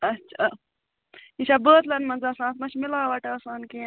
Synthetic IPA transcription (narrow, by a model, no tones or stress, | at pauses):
ɐtːʃʰa | it͡ʃabəːt̪lɐnmɐnzasãːt̪ʰmɐt͡ʃʰmilaːʋaʈɐsaːnke